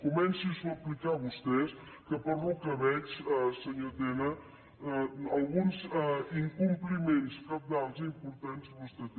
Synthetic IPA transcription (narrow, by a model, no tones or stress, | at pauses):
kumɛnsisuəplikaβust̪ɛs | kəpəɾlukəβɛt͡ʃsəɲot̪enə | əlˠɣunziŋkumplimenskap̚d̪alˠt̪ɾəimpuɾt̪anzβust̪ɛt̪